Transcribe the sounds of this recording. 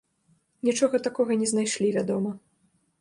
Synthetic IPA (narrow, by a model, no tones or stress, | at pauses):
nʲit͡ʂɔɣɐt̪akɔɣɐnʲɛznajʂlʲivʲad̪ɔmɐ